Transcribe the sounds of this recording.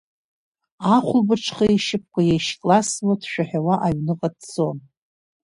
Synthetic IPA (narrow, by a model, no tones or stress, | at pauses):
aχʷʊlbɨʈ͡ʂʰχajejʃɪp̚ʰkʷajejʃkʼlaswatʰʃᶣaħawaʔaɥnɨqʼadd͡zon